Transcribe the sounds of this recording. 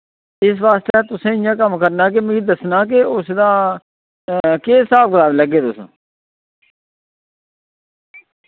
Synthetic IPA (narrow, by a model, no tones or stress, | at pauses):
ɪs̬ʋaːst̪et̪ʊsẽːɪjãːkəmkəɾnaːk̬ɪmẽid̪əsnaːk̬ɪʊsd̪aː | keːsaːp̚kəlaːbləɡeːt̪ʊsː